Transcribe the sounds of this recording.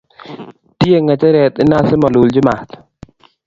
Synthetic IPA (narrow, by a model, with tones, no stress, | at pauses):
tje˦ŋɛ˨t͡ʃɛ˦ɾɛ˨t̪ɪ˦na˦sɪ˦mɔ˨lu˨ld͡ʒɪ˦ma˨t̪